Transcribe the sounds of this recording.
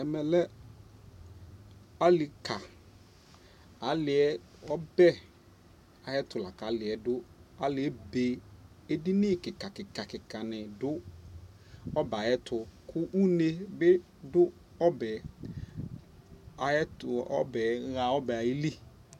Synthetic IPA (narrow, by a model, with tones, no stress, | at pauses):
ɛ˨mɛ˨lɛ˦ | a˦lɪ˨kʰa˨ | a˨˦lɪ˨ɛ˦ | ɔ˦bɛ˦ | a˨jɛ˦tʊ˨la˨ka˨˦lɪ˨ɛ˨dʊ˦a˦lɪ˨˦ɛ˦be˨ | e˦di˦nɪ˦˨kɪ˨ka˨kɪ˨ka˨kɪ˨ka˨nɪ̃˨dʊ˦ | ɔ˦ba˨jɛ˦tʰʊ˨kʰʊ˦ʔu˦ne˨bɪ˦ | dʊ˦ | ɔ˦bɛ˨ | a˨ɛ˦tɔ̰˦bɛ˨ɣa˨ɔ˦bɛ˨a˨jɪ˦li˦